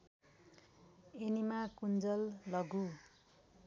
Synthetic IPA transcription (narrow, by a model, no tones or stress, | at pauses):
enimakund͡zʌlːʌɡu